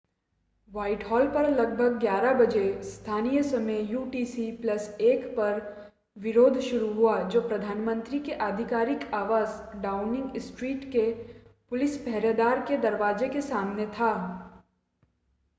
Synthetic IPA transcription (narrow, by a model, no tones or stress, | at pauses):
ʋaːɪʈɦɔːlpɐɾlɐɡ̚bʱəɡ̚ɡjaːɾabɐd͡ʒest̪ʰaːnijəsɐmejjuːʈiːsiplɐseːkpɐɾ | ʋɪɾoːd̪ʱʃʊɾuɦuad͡ʒoːpɾɐd̪ʱaːnmə̃nt̪ɾikeʔaːd̪ʱɪkaːɾɪkaːʋaːzɖaːʊnɪ̃ŋɡɪsʈɾiːʈkepʊlɪspɛɦɾed̪aːɾked̪ɐɾʋaːzekesaːmnet̪ʰaː